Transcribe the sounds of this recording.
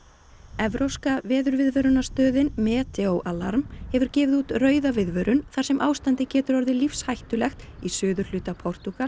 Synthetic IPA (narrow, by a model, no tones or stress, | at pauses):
ɛvɾowskavɛːðʏɾvɪðvœɾʏnast̪œːðɪnmɛːt̪ʰɛowʔalaɾmhɛvʏɾcɛːvɪðuːt̪rœːɥðavɪðvœɾʏnθḁsɛmʔaːwst̪ant̪ɪcɛːt̪ʏɾɔɾðɪlifshajht̪ʏlɛxt̪isʏːðʏɾ̥lʏːt̪apʰɔr̥t̪uɣa